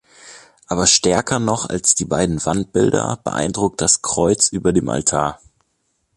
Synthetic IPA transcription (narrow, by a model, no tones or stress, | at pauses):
ʔaːbɐʃtɛɐkʰɐnɔχa̰lsd̥iːbaɪdn̩vant̚b̥ɪldɐ̰b̥ə̰ʔa̰ɪndʁʊk̚t̚d̥askʁ̥ɔʏt͡sʔyːbɐdeːmʔa̰ltʰaːɐ